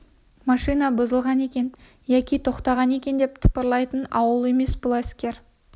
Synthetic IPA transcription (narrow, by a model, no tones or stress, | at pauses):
mɑʃijnɑbʊzəlˠʁɑne̞kʲe̞n | jækʲijt̪ʰo̞qt̪ɑʁɑne̞kʲe̞nd̪e̞p̚t̪ʰə̥pəɾlˠɑjt̪ənɑwəlˠe̞me̞sbʊlˠæskʲe̞ɾ